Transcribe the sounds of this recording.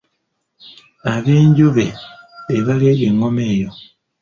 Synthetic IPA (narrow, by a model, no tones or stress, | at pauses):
aβeːɲɟuβeβeβaleːβweːŋomeːjo